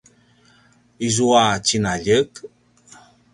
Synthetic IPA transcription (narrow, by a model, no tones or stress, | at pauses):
izuat͡ɕinaʎək